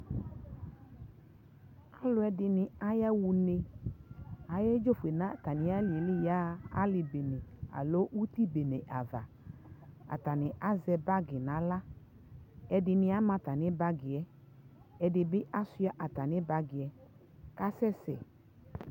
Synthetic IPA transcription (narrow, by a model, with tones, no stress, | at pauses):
a˦lʊ˨˦ɛ˦dɪ˨nɪ̃˨a˦ja˦wu˨ne˧ | a˨jɛ˦d͡ʒo˦fu˨e˨nã˦˨ta˨nɪ̃˦a˦lɪ˨e˨lɪ˦ja˦a˦lɪ˨be˨ne˨a̰˨lo˦ʔu˦t̪i˦be˨ne˨ʔa˨va˨ | a̰˨t̪a˨nɪ̃˨ʔa˦zɛ˨ba˦ɡɪ˨nã˨˦la˦ | ɛ˨dɪ˨nɪ̃˦a˦mã˧t̪a˨nɪ̃˦ba˦ɡɪ˨ɛ˨˦ | ɛ˨dɪ˨bɪ˦ʔa˦sʊ˦a˨˦ʔa˨t̪a˨nɪ̃˦ba˦ɡɪ˨ɛ˨ | ka˦sɛ˦sɛ̰˨